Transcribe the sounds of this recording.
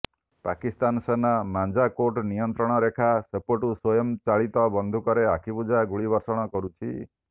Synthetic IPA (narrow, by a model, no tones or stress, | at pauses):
pakist̪ansenamand͡ʒakoɾʈnijɔnt̪ɾɔɽ̃ɔɾekʰasepoʈuswojɔmt͡ʃaɭit̪ɔbɔnd̪ʱukɔɾeakʰipud͡ʒaɡuɭibɔɾsɔɽ̃ɔkɔɾut͡ʃʰi